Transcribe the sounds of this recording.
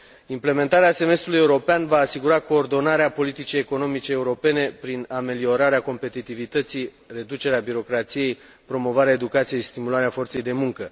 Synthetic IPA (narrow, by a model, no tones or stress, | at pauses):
imple̞me̞nt̪aɾease̞me̞st̪ɾuluje̞uɾo̞peanvaːsiɡuɾako̞ːrd̪o̞naɾeapo̞lit̪it͡ʃieko̞no̞mit͡ʃeːuɾo̞pe̞ne̞pɾiname̞lio̞ɾaɾeako̞mpe̞t̪it̪ivit̪ət̪si | re̞d̪ut͡ʃe̞ɾeabiɾo̞kɾat̪sije̞j | pɾo̞mo̞vaɾeae̞d̪ukat̪sijest̪imulaɾeafo̞rt̪se̞jd̪e̞muŋkə